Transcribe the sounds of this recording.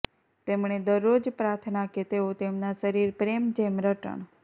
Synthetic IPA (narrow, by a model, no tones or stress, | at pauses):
t̪emɳ̃ed̪əɾːod͡ʒpɾat̪ʰnaket̪eot̪emnaʃəɾiɾpɾemd͡ʒemɾəʈə̰ɳ